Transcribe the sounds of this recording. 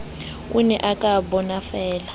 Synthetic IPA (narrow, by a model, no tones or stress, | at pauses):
unɛʔakʼabɔnafɛːla